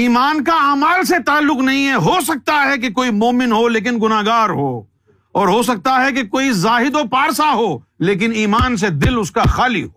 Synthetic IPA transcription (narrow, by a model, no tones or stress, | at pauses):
iːmaːnkaaːmalset̪aːlːʊqnɐɦĩɦɛɦoːs̬ɐk̚t̪aɦɛk̬ekoːimoːmɪnɦoleːk̬ɪnɡʊnaːɡaːɾɦoː | ɔːɾɦos̬ɐk̚t̪aɦɛk̬ekoːizaːɦɪd̪opaːɾsaɦoː | leːk̬ɪniːmaːns̬ed̪ɪlʊskaxaːlḭɦoː